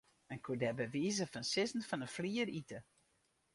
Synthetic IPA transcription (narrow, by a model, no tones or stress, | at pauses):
ənkʰuədɛbəʋiːzəfənsɪzn̩fɔnəfliəɾitə